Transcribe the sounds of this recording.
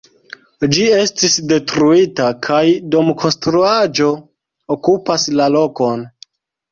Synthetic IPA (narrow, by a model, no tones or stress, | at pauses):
d͡ʒie̞stisde̞tɾuitakʰajdo̞mkʰo̞nstɾuad͡ʒo̞ | okupaslalo̞ko̞n